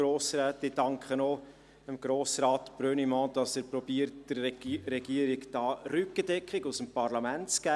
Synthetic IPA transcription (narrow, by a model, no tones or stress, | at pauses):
ɾoːsɾæːtːɪd̥ɑŋkχəno | əmɡ̥ɾoːsɾɑːt̪b̥ɾønimɔ̃ːd̥ɑsəɾpɾɔbiəɾtd̥əɾːɛɡ̥iəɾɪɡd̥ɑːɾʏkədɛkχɪɡusəmpɑɾlɑmæntt͡skæː